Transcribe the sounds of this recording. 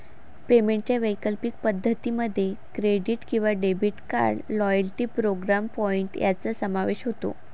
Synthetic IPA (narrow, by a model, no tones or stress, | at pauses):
pemeɳʈ̚t͡ɕjaʋəjkəlpik̚pəd̪ʱːət̪iməd̪ʱːjekɾeɖiʈkĩw̃ʋaɖebʱiʈka̰ɾɖlɔjəlʈiːpɾoɡɾampɔiɳʈjʔa̰t͡səsəmaʋeɕɦot̪o̰